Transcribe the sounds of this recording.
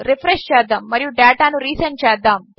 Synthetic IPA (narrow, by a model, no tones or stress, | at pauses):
ɾipʰɾeʂt͡ʃɛːd̪ːaːmːɐɾijuɖɛːʈaːnuɾiːsɐnt͡ʃɛːd̪ːaːm